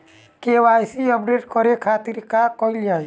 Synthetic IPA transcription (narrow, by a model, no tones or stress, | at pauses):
kewajsiəp̚ɖeʈkɔɾekʰat̪iɾkakɔild͡ʒaj